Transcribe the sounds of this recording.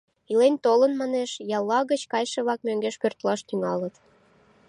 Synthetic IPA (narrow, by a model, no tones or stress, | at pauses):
ilent̪olənmɑneʃjɑlˠːɑɣət͡ɕkɑjʃeβlɑk̚møŋɡeʃpørt̪lɑʃt̪yŋɑlət̪